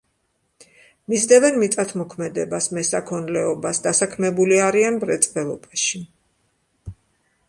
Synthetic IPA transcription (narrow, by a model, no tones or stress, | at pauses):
misd̪ɛvɛnmit̪ʼat̪ʰmɔkʰmɛd̪ɛbasmɛsakʰɔnlɛɔbasd̪asakʰmɛbuliaɾianbɾɛt̪sʼbɛlˠɔbaʃi